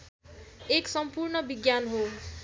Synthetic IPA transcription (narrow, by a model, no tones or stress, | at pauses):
eksʌmpurɳʌbiɡjanɦo